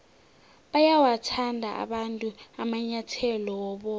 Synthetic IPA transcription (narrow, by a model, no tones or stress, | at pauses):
ɓajawatʰandʱaʔa̰ɓantʼuamaɲatʰɛlɔɔɓɔ